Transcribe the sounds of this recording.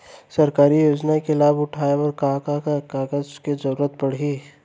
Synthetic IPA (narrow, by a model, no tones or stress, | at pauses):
sɐɾkaːɾijoːd͡ʒnakelaːbʊʈʰaːeɔɾkaːkakakaːɡəzkezɐɾuːɾət̪̚pɐɽ̤iː